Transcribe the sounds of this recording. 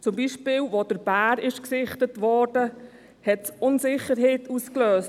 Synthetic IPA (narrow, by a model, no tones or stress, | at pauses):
t͡sʊmbiːʃpɪːlʋod̥əɾbæːɾɪʃksɪχtətʋɔɾdə | hɛtsʊnzɪχəɾɦɛɪtuːskløːs